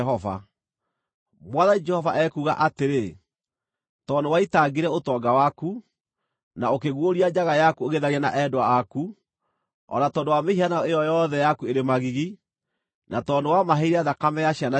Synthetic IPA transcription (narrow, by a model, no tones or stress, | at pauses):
ɦɔva̰ | mwaðad͡ʒɛhɔvaʔɛkuɣa̰ʔateɾe | tɔndowaitaɡiɾɛotɔɡawaku | naokeɣwoɾiad͡ʒaɣajakueɣeðaɾiana̰ʔɛdoaːku | ɔ̰natɔːndowameianaejɔjɔːðɛjakueɾemaɣiɣi | natɔndowamaɦeiɾɛaðakamɛjaɕiana